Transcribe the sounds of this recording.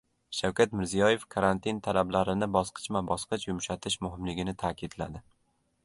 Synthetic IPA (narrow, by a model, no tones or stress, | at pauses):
ʃawkʰʲat̪mɪɾzijɒje̞fkʰaɾant̪ʰint̪ʰalablaɾɪnɪbɒsqʰɨ̥t͡ʃvabɒsqʰɨt͡ʃjʊmʃat̪ʰɪʃmʊɦɪmlɪɡʲɪnɪt̪ʰaːkʲʰɪd̪la̰d̪ɪ